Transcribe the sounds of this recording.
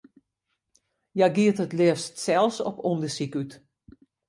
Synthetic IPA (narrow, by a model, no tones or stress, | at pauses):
jajɡiətətlɛəfstsɛlˠsɔ̰pondəsikyt